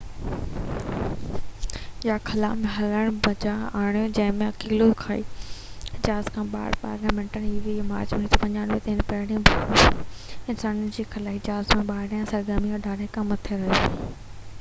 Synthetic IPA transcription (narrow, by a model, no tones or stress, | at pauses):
jakʰɐlaːmẽɦɐləɽ̃bɐd͡ʑaaːɽ̃ijod͡ʑɐ̃ɦɪ̃mẽɐkiːlokʰaːḭːɪd͡ʑaːzkʰãːɓa̰ːɪ̰ɽpa̰ːɾlaːmẽːɳʈəniːʋimaːɾd͡ʑmenit̪opɐɲaːnmẽt̪ɐɪnpɛːɽ̃ĩũbʱɐ | ɪnsaːnənɪ̆d͡ʑiːxɐlaːɦiɪd͡ʑaːzmẽɓaːɪɽjãsɐɾɡəmiɐɖʱaːɽekɐmɐt̪ʰeɾɐɦi